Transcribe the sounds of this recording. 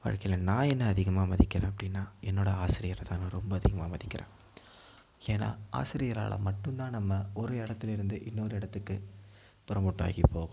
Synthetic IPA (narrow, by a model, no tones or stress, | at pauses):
ʋa̰ːɻkɐjɪlɐnãːɛnːɐːðɪɣɐmaːmɐðɪkːɪɾẽːɐpːɐɽɪnːaːɛnːoːɽɐaːsɪɾɪjɐɾɐt̪aːnɾɔmbɐɐðɪɣɐmaːmɐðɪkːɪɾʔḛ̃ː | eːna̰ːa̰ːsɪɾɪjɐɾa̰ːɭɐ̰mɐʈːɯnt̪ãːnɐmːɐɔɾɯɪɽɐt̪ːɪlɪɾɯnd̪ɯʔɪnːɔɾɯɪɽɐt̪ːɯkːɯ | pʊɾɐmʊʈːa̰ːɣipːoːɣʊ̃m